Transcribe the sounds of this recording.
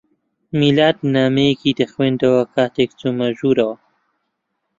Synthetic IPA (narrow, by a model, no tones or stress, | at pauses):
milaːd̪̚naːmekid̪əxwẽːnd̪awɐkaːt̪ekt͡sumaʒuːɾawa